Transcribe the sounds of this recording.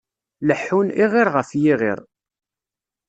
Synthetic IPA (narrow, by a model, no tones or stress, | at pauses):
ləħːuniʁɪɾʁəfjiʁɪ̰ɾ